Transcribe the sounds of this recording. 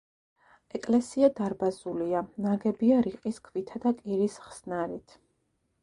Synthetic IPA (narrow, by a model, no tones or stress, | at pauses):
ɛkʼlɛsiad̪aɾbazulianaɡɛbiaɾiqʼiskʰvit̪ʰad̪akʼiɾisχsnaɾit̪ʰ